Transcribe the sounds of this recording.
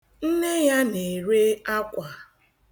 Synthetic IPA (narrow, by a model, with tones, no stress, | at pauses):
n̩˦ne˦ja˦ne˨ɾe˦a˦kʷa˨